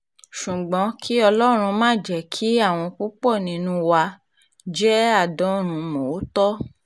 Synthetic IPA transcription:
ʃũ˨ɡ͡bɔ̃˨˧˦kʰi˦ɔ˧lɔ˦ɾ̃ũ˧mãː˦˨d͡ʒɛ˨kʰi˨˦a˦˨w̃ɔ̃˧ku˦k͡pɔ˦˨nĩ˧nũ˧wa˧ | d͡ʒɛ˦a˦˨dɔ̃˨˦ɾ̃ũ˧mo˨˦tɔ˦

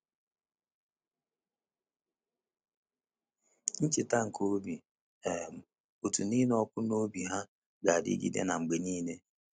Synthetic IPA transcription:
n̩˦t͡ʃɪ˨ta˦ŋ̩˨kʰo˦bi˨ | e˨m̩˨ | o˨tu˨ni˦ne˦ɔ˦kʷʊ˦no˦bi˨ɦa˦ | ɡa˨dḭ˦ɡḭ˦dḛ˦na˨ŋ͡m̩˨ɡ͡be˨niː˦ne˦

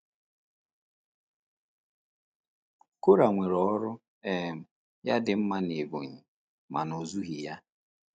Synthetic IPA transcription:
ko˦ɾa˨ŋʷe˨ɾɔ˨˦ɾʊ˦ | e˦˨m̩˨ | ja˦dɪ˨m̩˦ma˦ne˨bo̰˨ɲi˨ | ma̰˨no˨zu˦ɦi˨ja˦

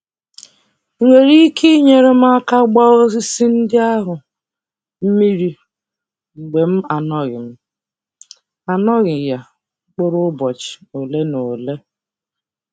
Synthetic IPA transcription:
ŋʷe˨ɾi˦kʰi˦ɲe˨ɾe˦m̩˦a˦ka˦ɡ͡ba˦o˦zi˦si˦n̩˦dɪ˦a˦ɦʊ˨ | m̩˦mi˦ɾi˦ | ɡ͡be˨m̩˦a˨nɔ˦ɣɪ˨m̩˦ | a˨nɔ˦ɣɪ˨ja˨˦ | k͡po˦ɾʊ˦bɔ˨t͡ʃɪ̥˨o˨le˦no˨le˦

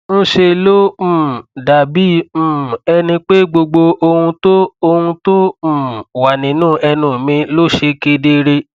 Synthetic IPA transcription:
n̩˦ʃe˧˨lõ˦˨da˨bĩ˦˨˦ɛ˧nĩ˧k͡pe˦ɡ͡bo˧ɡ͡bo˧o˧ũ˧to˦o˧hũ˧tõ˦˨wa˨nĩ˨nũː˦˨ʔɛ˧nũ˨mĩ˧lo˦ʃe˧˦ke˧˦de˦ɾe˧

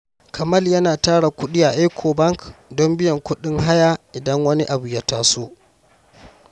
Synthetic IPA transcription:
kʰɐ˨mɐ˦˨ljɐ˦naː˨taː˦ɽa˨kʷʊ˦ɗɪ˦jaː˨ʔa˦kʷʰoː˨bɐ˦ŋkdɔ˦mbɪ˦jɐ˨ŋkʷʊ˦ɗɪ˦ŋɦa˦jaː˦ʔɪ˨dɐ˦ŋwɐ˦ni˦ʔa˨bu˨jaː˦taː˦soː˦

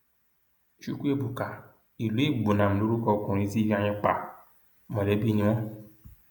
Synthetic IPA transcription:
ʃu˨˦ku˦e˦˧˨bu˨ka˨ | i˨lu˨˦e˦˨ɡ͡bu˨nã˨m̩̃˨lo˨˦ɾu˦kɔ˧˦kũ˨ɾ̃ĩ˧˦si˦vi˦ã˧ɲ̃ɛ̃˧k͡pa˨ | mɔ̃˨lɛ˨˦bi˦nĩ˧w̃ɔ̃˦

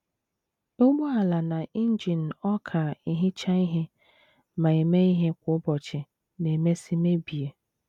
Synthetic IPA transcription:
o˦ɡ͡bo˦a˨la˨na˨i˦n̩˦d͡ʒi˨n̩˨ɔ˦kʰa˨i˦ɦɪ˦t͡ʃa˦i˦ɦe˦ | ma˨e˨me˦i˦ɦe˦kʷʊ˨˦ʊ˦bɔ˨t͡ʃɪ˨ | ne˨me˦si˦me˦bi˨e˨

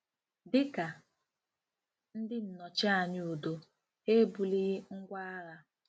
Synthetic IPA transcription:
dɪ˦ka˨ | n̩˦dɪ˦n̩˨nɔ˨t͡ʃa˦a˨ɲɪ˦u˨do˨ | e˦bu˨li˦ɣŋ̩˦ɡʷa˦a˦ɣa˦

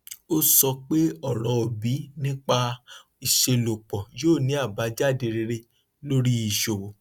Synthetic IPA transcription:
o˦sɔ˧k͡pe˦ɔ˦˨ɾɔ˨˧o˨bi˨˦nĩ˦k͡pa˧ | i˨ʃe˧lo˨k͡pɔ˨joː˦˨nĩ˨˦a˦˨ba˨˦d͡ʒa˦˨de˧ɾe˧ɾe˧ | lo˦ɾi˦i˨ʃo˨wo˨

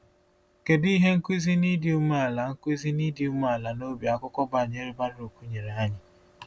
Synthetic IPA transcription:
ke˨di˦ɦe˦ŋ̩˦kʷi˦zi˦ni˦dɪ˨u˦m˦a˨la˨ŋ̩˦kʷi˦zi˦ni˦dɪ˨u˦m˦a˨la˨no˦bja˨kʷʊ˦kʷɔ˦ba˨ɲe˦ɾi˦ba˦ɾɪ˦o˨kʷu˦ɲe˨ɾe˨a˦ɲɪ˨

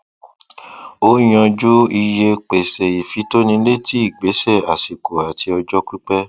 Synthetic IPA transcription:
o˦j̃ɔ̃˧d͡ʒo˦i˧je˧k͡pe˨sɛ˨i˨fi˨˦to˦nĩ˧le˦ti˦i˦˨ɡ͡be˨˦sɛ˦˨a˨si˨ko˨a˨tʰi˧ɔ˧d͡ʒɔ˦ki˦k͡pɛ˦

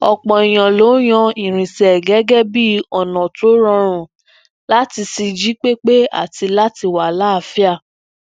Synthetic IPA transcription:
ɔ˨k͡pɔ̃˨i˨j̃ã˨lo˨˦j̃ɔ̃˧ĩ˨ɾ̃ĩ˨sɛ˨ɡɛ˦ɡɛ˦bi˦ɔ˨nɔ̃˨to˨˦ɾɔ̃˧ɾ̃ũ˨ | la˦ti˧si˧d͡ʒi˦k͡pe˦k͡pe˦a̰˦˨ti˧la˦ti˧wa˨la˦˧˨fi˦a˦˨

